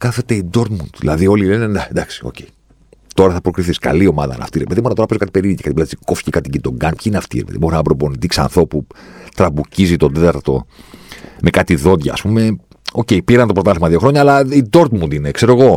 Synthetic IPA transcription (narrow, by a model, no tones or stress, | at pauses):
kɐθe̞t̪e̞id̪o̞ɾt̪mund̪ðḭlɐ̰ðio̞lilened̪ɐnd̪ɐksi̥o̞̰ce̞i | t̪o̞ɾɐθɐpɾo̞kɾiθiskɐ̰lio̞mɐðɐ̰nɐ̰ft̪iɾepeðimoɾɐt̪oɾɐpezokɐt̪ipeɾicɐkɐt̪iplsikofi̥cekɐt̪iɟind̪o̞ŋɡɐnpçineɐft̪ḭɾepðiboɾnɐbɾo̞po̞nit̪iksɐ̰nθɾo̞put̪ɾɐbucizit̪o̞nd̪e̞t̪ɐɾt̪t̪o̞̰ | mekɐt̪iðo̞d̪ʝɐ̰ːspume̞ | o̞ce̞jpiɾɐnt̪opɾot̪ɐθemɐðio̞xɾoɲɐːlɐid̪o̞ɾt̪mund̪ine̞kse̞ɾo̞eɣo̞